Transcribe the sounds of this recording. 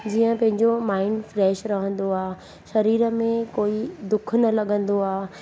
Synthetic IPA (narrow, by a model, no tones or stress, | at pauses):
d͡ʑiːə̃pɐ̃ɦɪ̃ɲd͡ʑomaːɪɳɖfɾɛːʃɾɐɦə̃nd̪oaː | ʃɐɾiːɾə̆mẽkoːid̪ʊkʰnɐlɐɠə̃nd̪oaː